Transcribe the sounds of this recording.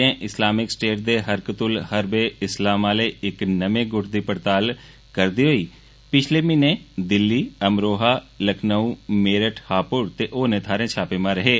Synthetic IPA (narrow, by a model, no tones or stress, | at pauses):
ẽːʔɪslaːmɪksʈeːʈ̚d̪eːɦəɾkət̪ʊlhəɾbeːɪslaːmaːleːɪknəmẽːɡʊʈʰd̪iːpəɾt̪aːl | kəɾd̪iːɦoiː | pɪt͡ʃʰleːmɪnẽːd̪ɪlːiːəmɾoːɦaːləkʰnəũːmeːɾəʈʰhaːpʊɾt̪eːʔoːnẽːt̪ʰaːɾẽːt͡ʃʰaːpeːmãːɾəɦeː